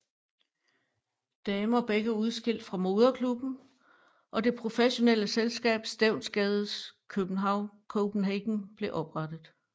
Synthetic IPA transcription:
d̥ɛːməɒ̽b̥eɡ̥əuð̞ˠsɡ̥e̝l̰d̥fʁɑ̈mo̝ð̞ˠɐkʰlub̥n̩ | ʔɒ̽d̥e̝pʰʁo̝feɕo̝nel̰əselsɡ̥ɛ̰ːb̥sd̥eʊnsɡ̥ɛːð̞ˠskʰøb̥n̩ɦɑ̈ʊ̰nkʰoʊb̥n̩ɦeɡ̥n̩b̥le̝ʔɒ̽b̥ʁɑ̈d̥ð̩ˠ

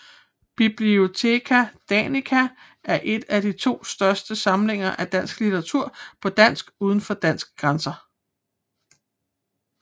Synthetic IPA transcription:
b̥ib̥lio̝t͡sʰe̝̰kʰæd̥ænikʰæ | ʔæɐʔe̝d̥æd̥it͡sʰo̝̰ːsd̥ɶɐsd̥əsɑ̈mle̝ŋ̰ɐʔæd̥æn̰sɡ̥lit͡sʰɐʁɑ̈t͡sʰuɐ̰pʰɒ̽d̥æn̰sɡ̥uːð̞ˠn̩fɒ̽d̥æn̰sɡ̥̚ɡ̥ʁansɐ

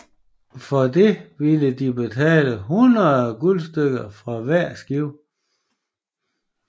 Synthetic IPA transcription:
fɒd̥e̝ʋiləd̥ib̥e̝t͡sʰɛ̰ːləɦunɐðˠɡ̥ulsd̥øɡ̥ɐfʁɑ̈ʋæɐ̰sɡ̥iʊ̰

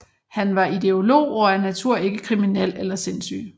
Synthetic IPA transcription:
hænʋɑ̈id̥e̝o̝lo̝̰ːɒænæt͡sʰuɐ̰e̝ɡ̥əkʰʁiminel̰elɐse̝nsy̰ː

